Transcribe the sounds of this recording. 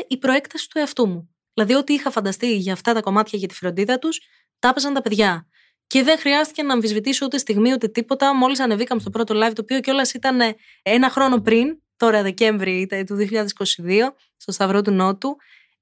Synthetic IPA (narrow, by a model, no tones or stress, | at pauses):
ʔipɾo̞e̞kt̪ɐsi̥t̪ue̞ɐft̪umu | ðilɐðio̞t̪iixɐfɐnd̪ɐst̪iʝɐːft̪ɐt̪ɐko̞mɐt̪çɐʝɐt̪i̥fɾo̞nd̪iðɐt̪us | t̪ɐpesɐnt̪ɐpe̞ðʝɐ | ce̞ðe̞ŋxɾiɐst̪i̥cenɐːɱfizvit̪iso̞ut̪e̞st̪iɣmiut̪e̞t̪ipo̞t̪ɐmo̞lisɐne̞vikɐmest̪o̞pɾo̞t̪olɐjvt̪opio̞ceo̞lɐsit̪ɐne | enɐxɾo̞no̞pɾint̪o̞ɾɐðe̞ce̞ɱvɾit̪t̪uðioçiʎɐðesi̥ko̞siðio̞ | st̪o̞st̪ɐvɾot̪̬uno̞t̪u